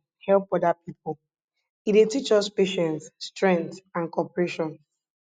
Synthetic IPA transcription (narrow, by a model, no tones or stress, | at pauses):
hɛlˠp̚ɔdapip̚l | idetit͡ʃɔspeʃɛ̃ntːtɹɛ̃ntãnkɔpɹeʃɔ̃n